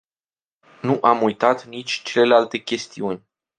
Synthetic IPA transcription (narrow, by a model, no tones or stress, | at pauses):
nuʔamujt̪at̪nit͡ʃʲt͡ʃe̞lelealt̪e̞kʲe̞st̪iunʲ